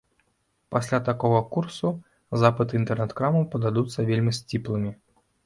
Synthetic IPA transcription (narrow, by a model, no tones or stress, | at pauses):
pasʲlʲat̪akɔɣɐkursu | zapɨt̪int̪ɛrnɛt̪kɾamɐpɐd̪ad̪ut̪sːɐvʲelʲmʲisʲt͡sʲiplˠɨmʲi